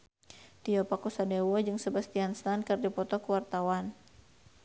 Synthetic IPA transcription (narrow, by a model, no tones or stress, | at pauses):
t̪iɔpakusadewɔd͡ʒɨŋsəbast̪ianst̪ankərd͡ʒɔpɔt̪ɔkuwart̪awan